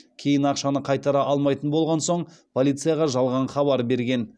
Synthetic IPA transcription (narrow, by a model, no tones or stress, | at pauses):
kʲʰe̞jɪnɑqʃɑnəqʰɑjt̪ɑɾɑʔɑlˠmɑjt̪ənbo̞lˠʁɑnso̞ɴ | pʰolˠijt̪sɨjɑʁɑʒɑlˠʁɑɴχɑβɑɾbe̞ɾɡʲe̞n